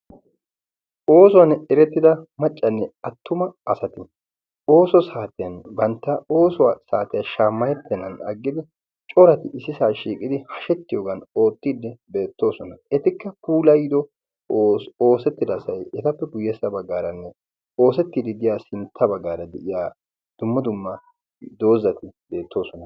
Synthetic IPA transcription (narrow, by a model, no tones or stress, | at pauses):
ʔo̞ːsɔwɐnɛɾɛt̪ːɪd̪ɐmɐt͡ʃʼːɐnːɛɐt̪ʰːʊmɐɐsɐt̪ɪ | o̞ːsɔsaːt̪ɪjɐnbɐnt̪ːɐo̞ːsɔwasaːt̪ɪjɐʃaːmːɐjɛt̪ːɛnːɐnɐ̰ɡːɪd̪ɪ | t͡ʃʼɔɾɐt̪ɪɪsːɪsaːʃiːkʼɪd̪ɪhɐʃɛt̪ːɪjoːɡɐno̞ːt̪ːiːd̪ɛbe̞ːt̪ːo̞ːsɔnɐɛt̪ɪkːɐpuːlɐjɪd̪ɔ | o̞ːsɛt̪ːɪd̪ɐsɐjɛt̪ɐpːɛɡʊjɛsɐbɐɡːaːɾɐnːɛ | o̞ːsɛt̪ːiːd̪ɪd̪ɪjaːsɪnt̪ʰːɐbɐɡːaːɾɐd̪ɛʔɪjaː | d̪̥ʊmːɐd̪ʊmːɐ | d̪o̞ːzːɐt̪ɪbe̞ːt̪ːo̞ːsɔnɐ